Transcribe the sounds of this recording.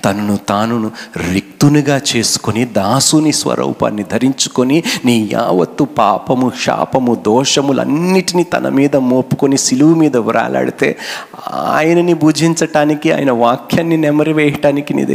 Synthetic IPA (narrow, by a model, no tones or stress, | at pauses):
t̪ɐnɐnut̪aːnunuɾik̚t̪unuɡaːt͡ʃe̞ːsu̥konid̪aːsunisʋɐ̰ɾʔɐ̰wpa̰ːnːid̪ʱɐɾiɲt͡ʃu̥koniniːja̰ːʋɐt̪ːupaːpɐmuʂa̰ːpɐmud̪ɔːʂɐmulɐ̰nːiʈinit̪ɐ̰nʔɐ̰miːd̪ɐmoːpu̥konisiluʋumiːd̪ɐʋiɾa̰ːla̰ːɽit̪ḛː | a̰ːjɐnɐnibuːd͡ʒʱiɲt͡ʃɐʈaːnikia̰ːjɐnɐʋaːkʰjaːnːinɛmɐɾiʋɛːjɐʈaːnikinḭːd̪